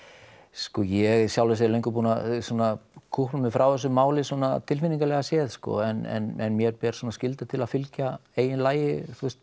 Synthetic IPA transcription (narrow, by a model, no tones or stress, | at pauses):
skɔjɛɣsjawlɛs̬alejŋkʏp̬uːnasuːnakʰuhplʏmɪfɾawθɛs̬ːʏmaːwlɪsuɔːnat̪ʰɪlfiniŋkalɛːɣasjɛːðskɔ̰ɛnɛ̰nɛ̰nmjɛɾpɛːɾ̥suːnascɪlt̪at̪ʰɪlaðfɪlcaeːjɪnlaːjɪθust̪̚